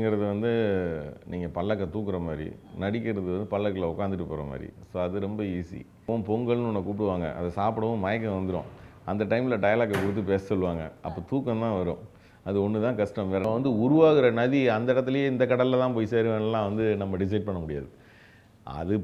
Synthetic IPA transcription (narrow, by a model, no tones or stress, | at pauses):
ŋɡɪɾɐðɯʋɐnd̪ɯ | niːŋɡɐpɐɭːɐkːɐt̪uːkːɯɾɐmaːd̪ɾḭnɐɽɪkːɪɾɐðɯʋɐnd̪ɯpɐɭːɐkːɐlɐʊkːaːnd̪ɯʈːɯpːoːɾɐ̰ma̰ːd̪ɾḭsoːɐðɯɾɛmbɐiːsḭ | õpɔŋɡɐɭnɔnːɐkuːpʈɯʋaːŋɡɐ̰ʔɐ̰ðɐsaːpɯɽɐʋõmɐjɐkːɐ̃ʋɐnd̪ɯɾõ̰ːɐnd̪ɐʈɐɪmɪlɐʈɐjlaːkːɐkʊɽɯt̪̬ːɯpeːssɔɭːɯʋaːŋɡɐ̰ɐpːoːt̪uːkːɐ̃nt̪ãːʋɐɾõ̰ː | ɐðɯɔnːɯt̪ãːkɐʂʈɐmʋeːɾɐʋɐnd̪ɯʊɾʊʋaːɣɪɾɐnɐðiɐnd̪ɐɪɽɐt̪ːɪlɐjeːɪnd̪ɐkːɐɽɐllɐt̪ãːp̬oːjseːɾɯʋeːnlːãːʋɐnd̪ɯnɐmːɐɖɪs̬ɐɪɖ̚pɐɳːɐmʊɽɪja̰ːðɯ | ɐ̰ðɯ